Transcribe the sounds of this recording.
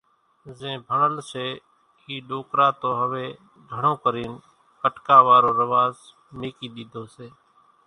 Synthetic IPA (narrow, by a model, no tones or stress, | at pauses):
zẽːbʱəɳəlseː | iːɗoːkɾaːt̪oːɦəʋeː | dʱəɳõːkəɾiːn | kəʈkaːʋaːɾoːɾəʋaːz | meːkiːɗ̪iːd̪ʱoːseː